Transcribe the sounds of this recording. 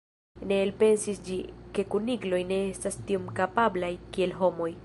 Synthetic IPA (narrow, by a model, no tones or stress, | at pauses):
ne̞ːlpe̞nsisd͡ʒike̞kuniɡlo̞jne̞estastiomkapablajkie̞lɦo̞mo̞j